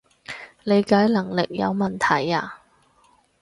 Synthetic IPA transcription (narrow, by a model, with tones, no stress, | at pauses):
le˨˧jkaː˨˥jlɐ˨˩ŋlɪ˨k̚jɐ̰˨˧wmɐ˨˩nt̪ʰɐ˨˩jaː˧